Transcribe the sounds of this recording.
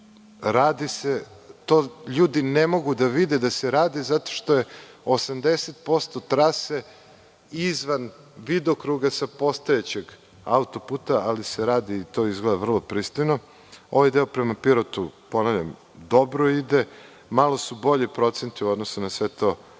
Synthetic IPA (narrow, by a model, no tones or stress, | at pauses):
ɾaːd̪ise | t̪oːʎuːd̪inemo̞ɡud̪aʋid̪ed̪aseɾaːd̪izat̪o̞̥ʃt̪oje̞ | osamd̪eset̪̚po̞st̪o̞t̪ɾase | izʋan | ʋid̪okɾuɡasapo̞st̪ojet͡ɕeɡ | a̰ut̪o̞put̪aaliseɾaːd̪iːt̪o̞izɡled̪avr̩lˠopɾist̪ojno | o̞ʋajd̪eopɾemapiɾot̪upo̞navlʎa̰m | d̪o̞bɾoid̪e | malˠo̞subo̞ʎipɾo̞t̪sent̪iuo̞d̪nosunasʋe̞t̪o̞